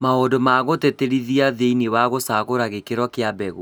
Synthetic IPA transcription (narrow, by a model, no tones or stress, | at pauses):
maodomaɣoteteɾiðiaðeinewaɣosaɣoɾaɣekeɾɔkeabɛɣu